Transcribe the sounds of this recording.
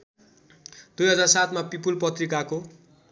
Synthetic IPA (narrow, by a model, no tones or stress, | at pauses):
d̪ujɦʌd͡zarsat̪ʰmapipulpʌt̪rikako